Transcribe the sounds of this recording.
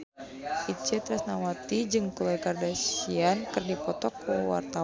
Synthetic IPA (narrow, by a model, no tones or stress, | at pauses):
it͡ʃɛt̪ɾasnawat̪id͡ʒɨŋkulajkardasiankɨrdipɔt̪ɔkəwa̰rt̪a